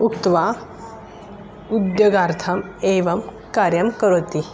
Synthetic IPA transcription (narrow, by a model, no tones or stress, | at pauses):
ukt̪ʋa | ud̪joːɡaːɾt̪ʰɐmeʋɐm | kaːɾjɐmkɐɾot̪i